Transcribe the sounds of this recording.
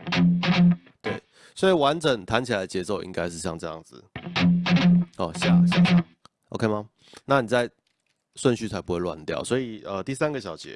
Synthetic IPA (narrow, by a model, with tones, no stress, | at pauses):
t̪we˥˩ɪ | swɔ˧˥i˨˩wa˧˦nt͡sə˨˩ŋt̪ʰa˧˦nt͡ɕʰi˨la˨ɪdə˧t͡ɕjɛ˧˥t͡so˥˨ʊʔḭ˧ŋka˥ɪʂɻ̩˥˧ɕ̬jɑ˥˧ŋʈ͡ʂɤ˥˧jɑ̰˥˩ŋd͡z̩˨˩ | ɔ˨˩ɕja˥˧ɕja˥˩a̰˨˩ | ʔo̰˨˦kʰe˥˧ɪma˨ | na˥˨˩ni˨˩t͡sa˥˧ɪ | ʂwə˥˧nɕy˥˩t͡sʰa˧˥ɪpu˧˦xwe˥˩lwa̰˨nt̪jɑ̰˥˨˩ʊswɔ˧˥i˨˩ə˨t̪i˥˨sa˥nɡə˨˩ɕ̬jɑ˨˩ʊt͡ɕjɛ̰˨˦